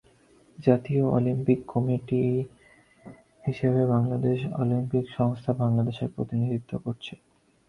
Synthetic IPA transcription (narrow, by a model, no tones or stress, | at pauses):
d͡ʑat̪ioo̰limpikːɔmiʈi | hiʃeβebaŋlad̪eʃo̰limpikʃɔŋst̪ʰabaŋlad̪eʃeɾpɾot̪inid̪ʱit̪ʰːokoɾt͡ɕʰe